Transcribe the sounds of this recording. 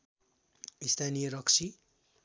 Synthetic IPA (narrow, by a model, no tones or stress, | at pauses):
ist̪ʰanijʌɾʌksʰi